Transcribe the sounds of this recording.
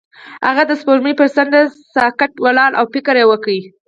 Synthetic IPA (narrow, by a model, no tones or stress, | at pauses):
ha̰ɣad̪əspoɾmipəɾsand̪asɑkaʈwalɑlʔa̰wpɪkəɾjewəkawi